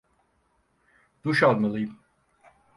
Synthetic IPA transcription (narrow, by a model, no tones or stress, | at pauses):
d̪̥uʃalˠmalˠɯjɯm